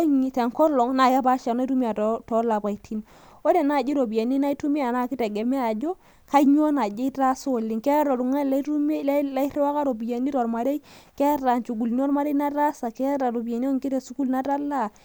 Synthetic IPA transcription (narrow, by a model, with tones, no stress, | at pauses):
ɲi˨tɛ˨ŋkɔ˦lɔ˨ŋna˨ka˦ba˦ʃa˨na˦tu˦mi˦a˨ttɔ˦la˨pa˨i˨tʰi˦n | o˦de˨na˦˨d͡ʒi˦ɾo˨bi˨je˨ni˦na˦i˦tu˦mi˦a˨na˨˦kɪ˦tɛ˨ɡɛ˨mɛ˦a˨d͡ʒo˦ | ka˦ɲ˦o˦na˨d͡ʒe˦ta˦so˦˨li˨ŋkɛ˦ɾɔ˨ɾu˨ŋɛ˦la˦ɾu˦m˦lla˦i˦ɾi˦wa˦ka˦ɾo˨bi˨je˨ni˦ɾɔ˨ɾma˨ɾe˦jkɛ˦ɾa˨nt͡ʃu˨ɡu˨ln˦o˦nma˦ɾe˦na˦ɾa˦sa˨kɛ˦ɾa˨to˨bi˨e˨n˦o˦ŋkɪ˦te˨su˦ku˦lna˦ta˦la˦˨